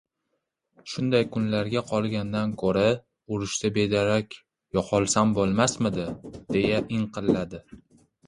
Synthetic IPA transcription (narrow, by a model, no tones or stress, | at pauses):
ʃʊnd̪ajkʰʊnlaɾɡʲaqʰɒlˠɡʲand̪ankʰoɾa | ʊɾɪʃt̪abe̞d̪aɾakʲ | jɒqʰɒlˠsambolˠmasmɪd̪ɪd̪̥e̞jaʔɪɴqʰɨllːad̪ɪ